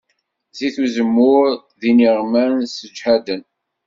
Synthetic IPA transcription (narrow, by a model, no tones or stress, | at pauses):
ziθuzəmːʊɾ | ðiniʁmænsəd͡ʒħæd̪ən